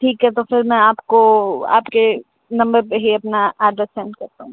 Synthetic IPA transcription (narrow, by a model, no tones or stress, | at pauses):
ʈʰiːkɦɛt̪ofɪɾmɛ̃aːpkoa̰ːpke | nɐ̃mbəɾpeɦiɐpnaʔaːɾɖɾest͡ʃɛ̃ɳɖkɐɾt̪aɦũ